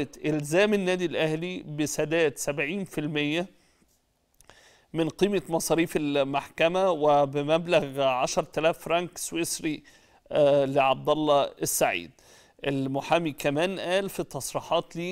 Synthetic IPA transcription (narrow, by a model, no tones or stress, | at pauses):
t̪ʔelzæːmenːæːd̪ilʔæhlibɪsæd̪æːt̪sæbʕiːnfilmɪjːæ | mɪnqiːmemɑsˤɑːɾiːfelmaħkæmæwebɪmæblæɣʕɑʃɑɾˤt̪ælæːfɾˤɑŋkswɪsɾi | lɪʕɑb̚d̪ɑlˤːɑɪsːaʕḭːd̪ | ʔelmʊħaːmikæmæːnʔæːlfit̪ːɑsˤɾiːħɑːt̪liː